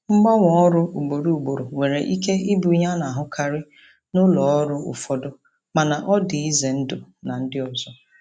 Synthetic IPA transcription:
ŋ͡m̩˦ɡ͡ba˦ŋʷɔ˨ɔ˦ɾʊ˦u˨ɡ͡bo˨ɾu˨u˨ɡ͡bo˨ɾo˨we˨ɾe˨ʔi˦ke˦ʔi˦bu˨i˦ɲa˦na˨a˨ɦʊ˦kʰa˦˨ɾɪ˦ | nʊ˦lɔ˨ɔ˦ɾʊ˦ʊ̰˨fɔ˨dʊ˦ | ma˨na˨ʔɔ˦dɪ˨i˦ze˨n̩˦dʊ˨na˨n̩˦dɪ˦ɔ˨zɔ˦

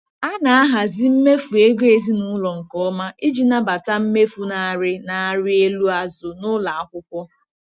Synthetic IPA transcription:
a˦na˨a˦ɦa˨zɪ˦m̩˦me˦fu˨e˦ɡʷe˨zi˦nʊ˦lɔ˨ŋ̩˨kɔ˦ɔ˦ma˦ʔi˦d͡ʒi˨na˦ba˨ta˦m̩˦me˦fu˦na˨a˨ɾɪ˦na˨a˨ɾɪ˦e˦lu˦a˨zʊ˨nʊ˦la˨a˦kʷʊ˦kʷɔ˦

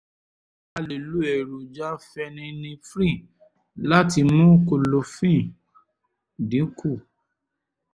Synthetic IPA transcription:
a˧le˨lu˦ɛ˨ɾo˨d͡ʒa˦fɛ˧nĩ˧nĩ˧fɾĩ˦˨ | la˦ti˧mũ˦ko˧lo˧fĩ˦˨ | dĩ˨˦kʰu˦˨

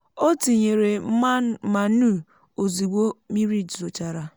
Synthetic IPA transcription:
o˦ti˨ɲe˨ɾe˨˦ma˨n̩˦u˦˨ | o˨zi˨ɡʷo˦mi˦ɾi˦˨d͡ʒzo˨t͡ʃa˨ɾa˨

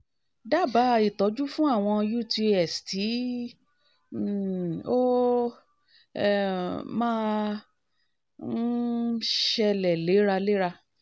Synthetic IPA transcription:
da˦˨ba˨˦˧i˨tɔ˨˦d͡ʒu˦fũ˦a˦˨w̃ɔ̃˧ju˦ti˧ɛ˨stʰi˨˦˨ | o˦ | mãː˦ | ʃɛ˧lɛ˨le˨˦ɾa˧le˦ɾa˧

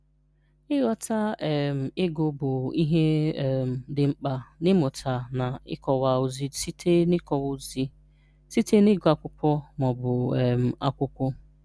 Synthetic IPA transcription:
ɪ˦ɣɔ˦ta˦ɛ˨m̩˨ɪ˦ɡʊ˨bʊ˨i˦ɦe˦ɛ˨m̩˨dɪ˨ŋ͡m̩˦k͡pa˨nɪ˦mʊ˨tʰa˨na˨ɪ̰˦kɔ˨wa˨ʊ˨zi˦si˦tʰe˦nɪ˦kɔ˨wʊ˦zi˦ | si˦te˦nɪ˦ɡʊ˨˦a˨kʷʊ˦kʷɔ˦mɔ˨bʊ˨ɛ˨m̩˨a˦kʷʊ˦kʷɔ˦

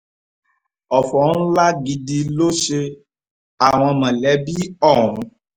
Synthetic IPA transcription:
ɔ˨fɔ˨˦ñ̩˦la˦ɡi˧di˧lo˦ʃe˧ | a˨w̃ɔ̃˧mã˨lɛ˨˦bi˦ɔ˦˨ɾũ˨˦

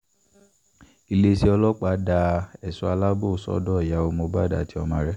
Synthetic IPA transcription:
i˨le˧˦ʃe˧˦ɔ˧lɔ˦k͡pa˨˦da˧ɛ˨su˧˦a˧la˦bo˦˨sɔ̰˦dɔ˦ɛ˨ja˨˦o˧mo˧ba˦da̰˨ti˦ɔ˧mã˧ɾɛ˦

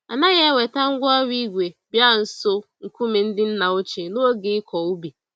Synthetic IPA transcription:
a˨na˦ɣe˦we˨ta˦ŋ̩˦ɡʷɔ˦wʷi˦ɡʷe˨bja˦˨n̩˨so˦ŋ̩˨ku˦me˨n̩˦dɪ˦n̩˦na˨o˦t͡ʃe˨no˦o˦ɡe˨ɪ˦kʰɔ˨u˦bi˨

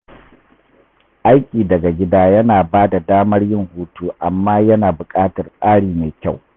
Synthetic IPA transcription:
ʔa˦jkʲʼiː˨dɐ˨ɡa˨ɡʲɪ˦daː˦jɐ˦naː˨baː˦da˨daː˦mɐ˦rjɪ˦ŋhuː˦tuː˦ʔa˨mːaː˦jɐ˦naː˨bʊ˨kʼaː˦tɐ˨rsʼaː˦ɽiː˨maː˨kʲa˦˨w

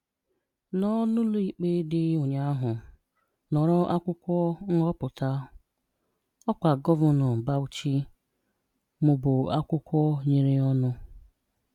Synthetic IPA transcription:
nɔ˦nʊ˦lo˦i˨k͡pe˦dɪ˦o˨ɲa˦a˦ɦʊ˨ | nɔ˨ɾɔ˦ʔa˦kʷʊ˦kʷɔ˦ŋ̩˦ɔ˦pʊ˨ta˦ | ɔ˦kʷa˨ɡɔ˦vɔ˨nɔ˨m̩˨ba˦u˨t͡ʃi˦ | mʊ˨bʊ˨a˦kʷʊ˦kʷɔ˦ɲi˨ɾɪ˦ɔ˦nʊ˦

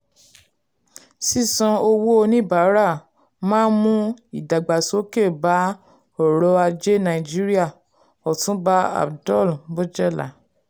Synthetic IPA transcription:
si˦˨sɔ̃˧o˧wo˦o˧nĩ˦ba˨˦ɾa˦˨ | mãː˦nmũ˦i˦˨da˨ɡ͡ba˨so˨˦ke˦˨ba˨˦ | ɔ˦˨ɾɔ˧˦a˧d͡ʒe˦nã˧˨i˨d͡ʒi˦ɾi˦a˦˨ | ɔ˨tũ˨˦ba˦a̰˨bdɔ˦˨lbo˦d͡ʒɛ˦˨la̰˨˦

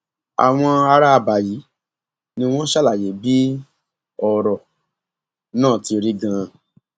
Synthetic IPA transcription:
a̰˨w̃ɔ̃˧a˧ɾa˦˧˨ba˨ji˨˦ | nĩ˧w̃ɔ̃˦ʃa˦la˨je˨˦bi˦ | ɔ˨ɾɔ˨ | nãː˦˨ti˧ɾi˦ɡã˧˨

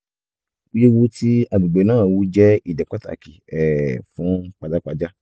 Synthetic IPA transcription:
u˦je˦wu˧ti˦a˨ɡ͡bi˨ɡ͡be˨nãː˦˨wu˨˧˦d͡ʒɛ˦i˦˨dɛ˨k͡pa˦ta̰˨ki˨ɛ˨fũ˨˦k͡pa˧da˦k͡pa˧d͡ʒa˦

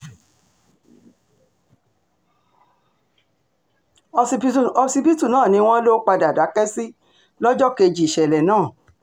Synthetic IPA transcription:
ɔ˧si˧pi˦tu˦˨nãː˦˨nĩ˧w̃ɔ̃˦lo˦k͡pa˧da˨da˨˦kɛ˦si˦ | lɔ˦d͡ʒɔ˦ke˧d͡ʒi˨ʃɛ˨lɛ˨nãː˦˨

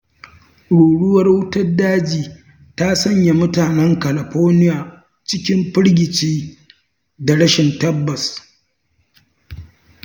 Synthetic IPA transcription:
ɽuː˨ɽʊ˦wɐ˦rwʊ˦tɐ˦rdaː˦d͡ʒiː˨ | ta˦sɐ˦ɲja˨mʊ˦taː˨nɛ˦ŋkɐ˨lɐ˨ɸoː˦nɪ˦jaː˨ | t͡ʃɪ˦kʲɪ˦mɸɪ˦ɽɡʲɪ˨t͡ʃiː˦ | da˨ɽɐ˦ʃɪ˨ntɐ˦bːɐ˨s

